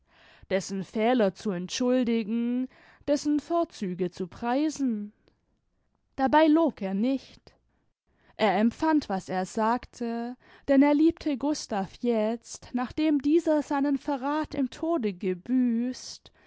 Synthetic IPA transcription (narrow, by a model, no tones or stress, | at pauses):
d̥ɛsn̩fɛːlɐt͡suɛntʃʊldɪɡŋ̩ | d̥ɛsn̩foːɐt͡syːɡət͡supʁ̥aɪzn̩ | d̥abaɪloːkeːɐnɪçt | ʔeːɐɛmfantv̥aseːɐzaːktʰə | d̥ɛneːɐliːp̚tʰəɡʊstaːfjɛt͡stnaːχd̥eːmdiːzɐzaɪnənfɛɐʁaːtɪ̰mtʰoːdəɡəbyːst